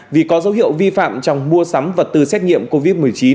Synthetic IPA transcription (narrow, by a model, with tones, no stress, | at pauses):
vi˨˩kɔ˨˦zə˨˦wɦḭ˧˨ə˨wvi˧fa̰ː˧˨mt͡ɕɔ˧˩wŋ͡mmu˧əsa˨˦mvə˨˩t̚t̪ɨ˨˩sɛ˦˥t̚ɲḭ˧˨əmko˧vi˦˥t̚mɨ˨˩əjt͡ɕi˨˦n